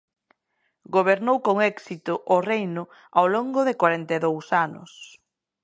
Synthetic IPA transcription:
ɡoβ̞eɾnowkoŋɛksit̪ʊʔʊrejnʊ | awloŋɡʊðɪkwaɾent̪eðowsanʊ̰s

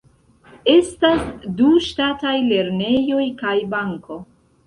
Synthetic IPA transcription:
e̞stasduʃtatajle̞ɾne̞jo̞jkajbaŋko̞

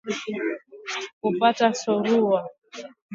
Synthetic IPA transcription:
kupatasɔɾua

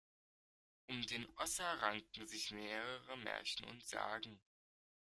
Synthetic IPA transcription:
ʔʊmdeːnʔɔsɐʁaŋtn̩zɪçmeːʁəʁəmɛ̰ɐçn̩ʊ̰ntz̥a̰ːɡŋ̩

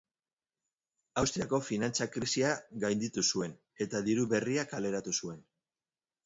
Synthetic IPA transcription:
awst̪ɾiako̞finant͡sakɾisiaɡajnd̪it̪usue̞n | e̞t̪aðiɾuβe̞riakale̞ɾat̪usue̞n

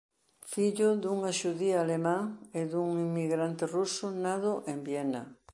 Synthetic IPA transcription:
fiʎʊðuŋaʃuðiaːlemãŋeðuŋimːiɣɾant̪ɪrusʊnaðʊʔembjɛnɐ

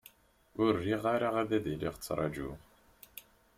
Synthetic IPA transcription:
ʊɾːiʁaɾaʁæðæðiliʁt͡sːɾˤɑ̰d͡ʒṵ

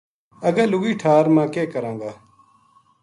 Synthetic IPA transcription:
əɡãːlʊɡiːʈʰaːɾmãːkeːkəɾãːŋɡaː

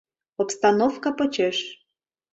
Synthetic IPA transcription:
opst̪ɑnofkɑpə̆t͡ɕeʃ

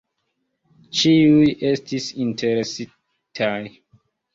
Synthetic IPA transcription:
t͡ʃiujʔe̞stisintʰeɾesi | tʰaj

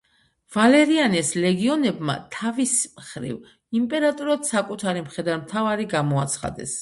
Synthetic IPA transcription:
v̥alɛɾianɛslɛɡiɔnɛbma̰t̪ʰavismχɾḭv | impʼɛɾat̪ʼuɾad̪̥sakʼut̪ʰaɾimχɛd̪anmt̪ʰavaɾiɡamɔat̪sʰχa̰d̪ɛ̰s

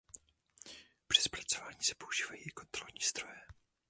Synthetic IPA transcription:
pr̝̥ɪspɾat͡so̞vaːɲiːsɛ̥pouʒiːvajɛjkont̪ɾo̰lɲiːz̥d̪ɾojɛ

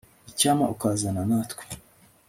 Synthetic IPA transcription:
icaːmaʔukaːzananaːtkwe̥

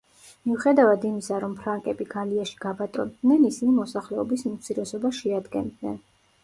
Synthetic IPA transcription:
miuχɛd̪avad̪imisaɾɔmpʰɾaŋkʼɛbiɡaliaʃi̥ɡ̥abat̪ʼɔnd̪nɛnisinimɔsaχlɛɔbisnut̪sʰiɾɛsɔbaʃɛad̪ɡɛ̰nd̪nɛ̰n

